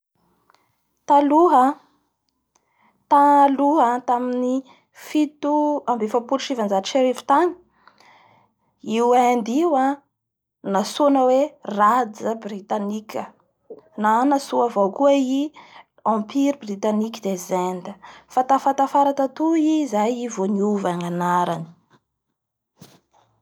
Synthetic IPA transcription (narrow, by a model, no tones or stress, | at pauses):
t̪aluɦə | t̪aluɦət̪amini | fit̪uambefapuʃivand͡zaʈ͡ʂeɾevi̥t̪ani̥ | iwand̪iwa | nasonəwerad͡zəbrit̪anikʲə | nanasuavokuai | ɑ̃piɾibrit̪anikʲid̪ezɛnd̪əfat̪afat̪afaɾat̪at̪uizajivoniuvaŋanaɾani̥